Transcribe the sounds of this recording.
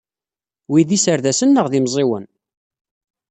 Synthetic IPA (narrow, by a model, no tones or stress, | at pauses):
wiðisəɾðæsənːəʁðimzˤɪwən